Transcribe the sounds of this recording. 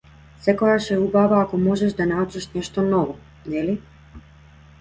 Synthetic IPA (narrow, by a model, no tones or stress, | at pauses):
sɛkɔjaʃɛubavaːkɔmɔʒɛʃd̪anaut͡ʃaʃnɛʃt̪ɔnɔvɔ | nɛli